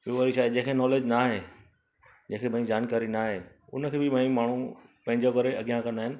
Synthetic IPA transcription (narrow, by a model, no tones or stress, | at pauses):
ʋioʋaːɾiʃaːid͡ʑẽːkʰenɔːleːd͡ʑnaɦe | d͡ʑẽːkʰebɐ̃ĩd͡ʑaːnkaːɾinaɦeː | ʊ̰nəkʰeːbɪbɐ̃ĩmaːɳ̤upɐ̃ɦɪ̃ɲd͡ʑokɐɾeɐɠijãkɐ̃nd̪aːɦɪnɪ̆